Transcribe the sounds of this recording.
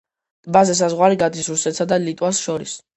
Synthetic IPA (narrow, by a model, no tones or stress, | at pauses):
bazɛs̬azʁwaɾiɡad̪isɾuɾsɛt̪sad̪alit̪ʼwasʃɔɾis